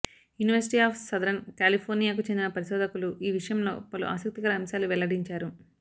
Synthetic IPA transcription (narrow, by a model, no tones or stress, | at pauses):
juːniʋɐɾsiʈiaːpʰsɐd̪ɾɐnkaːlipʰoːɾnijaːk̬ut͡ʃend̪inɐpɐɾiʃɔːd̪ɐkuluʔiːʋiʂɐjɐmlo̞ːpɐlṵʔa̰ːsɐk̚t̪ikɐɾɐːmsaːluʋɛlɐɽiɲt͡ʃaːɾu